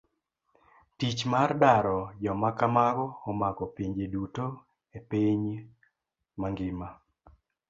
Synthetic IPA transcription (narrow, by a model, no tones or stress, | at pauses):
tit͡ʃmardaɾɔd͡ʒɔmakamaɡɔɔmakɔpiɲd͡ʒeduto | epiɲ | maŋɡɪma